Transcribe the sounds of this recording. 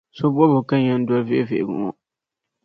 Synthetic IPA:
so˦bu˦ɔ˦bʊ˨ka˦ɲɛ˦n˦dɔ˦lvɛ˦ʔvḛ˨ʔɪ˨ɡṵ˨ŋɔ̰˦

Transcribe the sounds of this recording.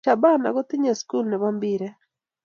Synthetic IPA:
a˨ba˦na̰˨ɣɔ˦t̪ɪ˦ɲa˨sku˦lnɛβambiɾe

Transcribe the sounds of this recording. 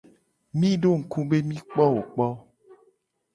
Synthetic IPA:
mĩ˦ɖo˦˨ŋ̩˨ku˦be˦mĩ˦k͡pɔ˦wo˨k͡pɔ˦

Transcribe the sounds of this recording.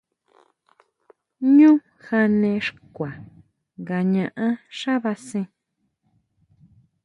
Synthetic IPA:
ɲũ˦ | xa˧nẽ˧ʂkʷa˨ | ŋɡa˧ɲã˧ʔã˦ʂa˦βa˧sĩ˧

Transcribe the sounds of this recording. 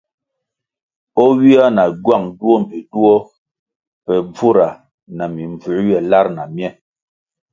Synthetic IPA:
ɔ˦ɥi˦a˦na˨ɡwa˦˨ŋdu˦ɔ˦m˨bi˨du˦ɔ˦ | pɛ˨b͡vu˦ɾa˨ | na˨mi˨ɱ˨b͡vʉ˨˦ɥjɛ˨la˦ɾna˨mjɛ˦˨

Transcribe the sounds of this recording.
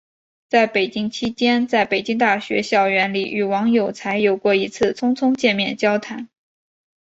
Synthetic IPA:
t͡sa˥˩ɪpe˨˩ɪt͡ɕi˥ŋt͡ɕʰi˥t͡ɕjɛ˥nt͡sa˥˩ɪpe˨˩ɪt͡ɕi˥ŋt̪a˥˩ɕɥɛ̰˧˥ɕjɑ˥˩ʊɥɛ˧˥nli˨˩ʔy˨˩wɑ˧˥ŋjo˨˩ʊt͡sʰa˧˥ɪjo˨˩ʊkwɔ˥˩i˧˥t͡sʰɹ̩˥˩t͡sʰʊ˥ŋt͡sʰʊ˥ŋt͡ɕjɛ˥˧nmjɛ˥˩nt͡ɕjɑ˥ʊt̪ʰa˧˥n

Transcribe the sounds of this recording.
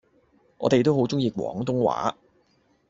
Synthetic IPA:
ŋʔɔ̰ː˨˧t̪e˨jt̪o˥wɦo˨˥wt͡sʊ˥ŋjiː˨˧kʷwɔ̰ː˨˥ŋt̪ʊ˥ŋwa̰ː˨˥

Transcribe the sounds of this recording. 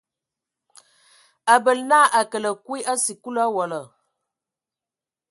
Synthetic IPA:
a˨bə˨lnaː˦ʔa˨kə˨lə˨kwi˦ʔa˦si˨ku˦la˦wɔ˨lə˨

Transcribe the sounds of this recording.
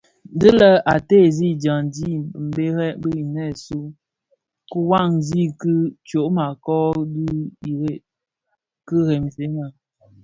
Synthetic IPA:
dɨ˦lə˦a˨te˦˨zi˦d͡ʒa˨ŋdi˦˨m̩˨be˦ɾɛ˦bə˦i˨nɛ˦˨su˦ | ku˦wa˦˨ŋzi˦kɨ˦t͡ʃo˨ʔma˨kɔ˦di˦i˨e˦˨ | kɨ˦ɣɛ˨mse˨˦na˨

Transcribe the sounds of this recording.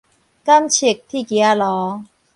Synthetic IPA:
ka˥˩˨mt͡ɕʰi˨˩k̚t̪ʰiː˥˩ki˨˧˩a˧˩lɔː˨˦

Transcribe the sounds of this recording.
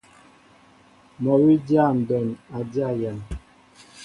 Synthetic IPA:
mɔ˨wi˦dja˦˨n̩˨dɔ˨na˨dja˦˨ja˨n

